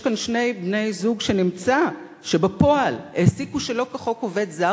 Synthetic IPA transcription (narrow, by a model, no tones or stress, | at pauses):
kanʃne̞jbne̞jzuɡʃenimt͡sa | ʃebepo̞alesikuʃelo̞kaχo̞kove̞d̪za